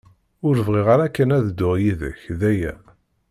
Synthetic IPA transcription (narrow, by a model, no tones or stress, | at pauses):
ʊɾəvʁiʁaɾækːənæðd̪ːʊʁjiðə̰çðæjæ